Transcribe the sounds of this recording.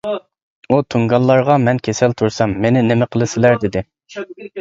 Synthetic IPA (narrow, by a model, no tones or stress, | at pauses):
ut̪ʰuŋɡɑlˠːɑɾʁɑmɛnkʲʰesɛlt̪ʰuɾsɛmːenɪnɪmɪqʰəlˠɨsɪlæɾd̪ɪd̪ɪ